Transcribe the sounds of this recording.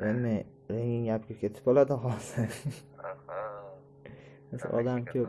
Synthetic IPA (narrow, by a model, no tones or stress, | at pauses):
enmɪ | ɾeŋʲɪŋʲap̚kʲakʲʰe̞t̪ʰɪ̥pɒlˠad̪ɪɦɒsɪ | asʔɒ̰d̪amkʲʰɵp